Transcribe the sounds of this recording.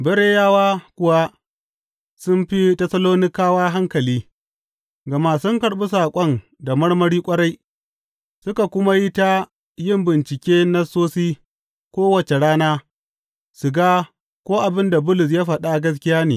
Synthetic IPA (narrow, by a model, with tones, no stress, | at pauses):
bɐ˦ɽeː˦jaː˦waː˦kʷʊ˨wa˦ | sʊ˦mɸi˦tɐ˦sɐ˦loː˦nɪ˦kaː˦waː˦ɦa˦ŋkɐ˨liː˦ | ɡɐ˨ma˨sʊ˦ŋkɐ˨ɽɓu˦saː˨kʷʼɔ˦n | da˨mɐ˦ɽmɐ˦ɽiː˦kʷʼɐ˦ɽa˦j | sʊ˦ka˨kʷʊ˦ma˦ji˦ta˦ | jɪ˦˨mbɪ˨nt͡ʃɪ˨kʲeː˦na˦soː˦siː˦ | kʷoː˦wɐ˨t͡ʃe˨ɽaː˦naː˦ | sʊ˨ɡaː˦ | kʷoː˦ʔa˨bɪ˦nda˨bʊ˦lʊ˨s̬jaː˦ɸɐ˨ɗa˦˨ɡɐ˦s̬kʲɪ˦jaː˦neː˨